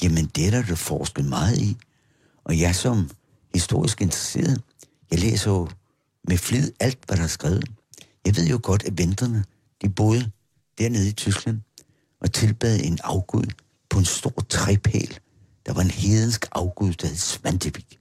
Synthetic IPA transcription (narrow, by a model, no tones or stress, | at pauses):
jæmənd̥eɾɐæd̥efɒːsɡ̥əð̩ˠmɑ̈ːð̞̩ˠi | ʔɒ̽jɑ̈sɒ̽m | hisd̥o̝ɐ̰isɡ̥e̝nd̥ʁase̝̰ːɐðˠ | jɑ̈ɪlḛːsɐjo | meflyð̩ˠæl̰d̥ʋæɾ̥ɑ̈hsɡ̥ʁɛːʊð̞̩ˠjɑ̈ɪʋe̝ð̞̰ˠjo̝ɡ̥ɒ̽d̥æʋend̥ʁɐnə | d̥ib̥o̝ːð̞ˠ | d̥æɐne̝ð̞ˠit͡sʰysɡ̥læn̰ | ʔɒ̽t͡sʰe̝lb̥ɛ̰ðˠe̝nɑ̈ʊɡ̥uð̞ˠ | pʰɒ̽e̝nsd̥o̝ɐ̰t͡sʰʁɛpʰɛ̰ːl | d̥ɑ̈ʋɑ̈e̝nheðˠənsɡ̥ɑ̈ʊɡ̥uð̞̰ˠd̥ɑ̈he̝ðˠsʋændʰefiɡ̥